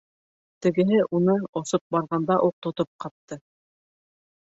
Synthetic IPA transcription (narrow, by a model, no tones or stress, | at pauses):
t̪ɘ̆ɡɘ̆ɦɘʔunɤŏsop̚bɑɾʁɑnd̪ɑʔut̪ŏt̪op̚qɑp̚t̪ɤ